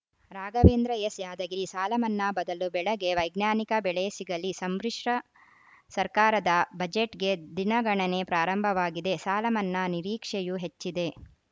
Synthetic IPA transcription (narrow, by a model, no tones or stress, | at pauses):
ɾaːɡɐʋeːnd̪ɾɐjesjaːd̪ɐɡiisaːlɐmɐnːɐbɐd̪ɐlubɛɭɐɡe̞ʋɐjɡnjaːnikɐbɛɭeːsiɡɐlisɐmbɾiʂɾɐ | sɐɾkaːɾɐd̪ɐbɐd͡ʒeʈɡe̞d̪inɐɡɐɳɐne̞pɾaːɾɐmbʱɐʋaːɡid̪e̞saːlɐmɐnːɐniɾiːkʂejuɦe̞t͡ʃːid̪e̞